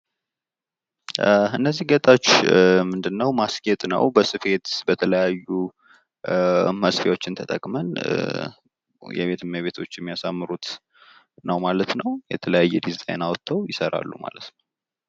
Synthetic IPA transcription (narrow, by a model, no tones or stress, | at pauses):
ɨnːəzːihɡət̪ʼawot͡ʃːmɨnd̪ɨnːəwmaskʼet̪ʼnə̰wbəsɨfe̞t̪bət̪ʰələjajːu | məsfewo̞t͡ʃːɪnt̪ʰət̪ʼəkʼmən | jɛ̰βe̞t̪ʰɨmːəβe̞t̪ʰo̞t͡ʃːjɛmːijasamːɨɾut̪ | nəwmalət̪nəwjɛt̪ʰələjajːɛd̪izt̪ʼa̰jnawt̪ʰːəwjɪsəɾa̰lːṵma̰lət̪nəw